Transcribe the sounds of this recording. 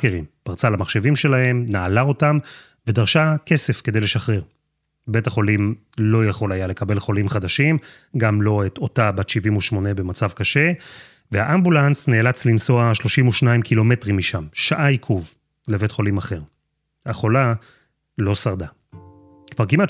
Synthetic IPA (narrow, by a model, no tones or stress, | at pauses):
keʁimpaʁt͡salamaχʃe̞vimʃe̞lahe̞mnaːlao̞tam | ve̞daʁʃake̞se̞fke̞d̪ejleʃaχʁeʁ | be̞taχo̞lim | lo̞jaχo̞lajale̞kabe̞lχo̞limχad̪aʃim | ɡamlo̞eto̞tabat̪ʃivimuʃmo̞ne̞be̞mat͡savkaʃe̞ | vehaʔambulansneːlat͡slinso̞aʃlo̞ʃimuʃnaimkilo̞me̞tʁimːiʃamʃaʔaikʰuv | leve̞tχo̞limaχe̞ʁ | haχo̞la | lo̞saʁda | kvaʁkimat